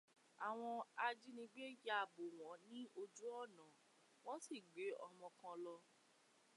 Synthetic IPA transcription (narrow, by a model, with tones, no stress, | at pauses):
a˨w̃ɔ̃˧a˧d͡ʒi˦nĩ˧ɡ͡be˦ja˧˨bo˨w̃ɔ̃˨˦nĩ˦o˧d͡ʒu˦ɔ˦˨nã˨˦ | w̃ɔ̃˦si˦˨ɡ͡be˨˦ɔ˧mɔ̃˧kã˧lɔ˧